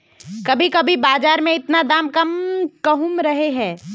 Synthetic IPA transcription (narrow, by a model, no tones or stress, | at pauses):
kɐbʱikɐbʱibaːzaːɾmẽɪt̪nad̪aːmkɐmkɐɦumɾɐɦeɦɛ̃ː